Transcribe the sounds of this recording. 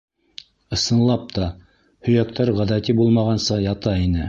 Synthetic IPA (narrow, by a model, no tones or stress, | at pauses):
ɤ̆sɤ̆nlˠɑp̚t̪ʰɑ | hɵ̆jæk̚t̪ʰæɾʁæðæt̪ibulˠmɑʁɑnsɑjɑt̪ɑinɘ